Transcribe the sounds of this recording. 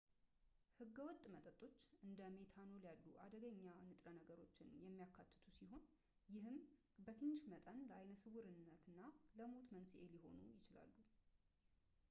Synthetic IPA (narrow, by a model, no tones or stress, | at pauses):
hɨɡːəwɔt̪ʼːmət̪ʼət̪ʼːo̞t͡ʃːɨnd̪əme̞t̪ʰanowljalːuʔa̰d̪əɡəɲːanɨt̪ʼɾənəɡəɾo̞t͡ʃːɪnjɛmːijakʰːat̪ʰːɨ̥t̪ʰusiɦo̞n | jɪɦɨm | bət̪ʰɨɲːɪʃmət̪ʼənləajnəsɨɡuɾɨnːət̪ɨnːaləmot̪mənsiʔe̞liɦo̞̰nujɪt͡ʃɪla̰lːu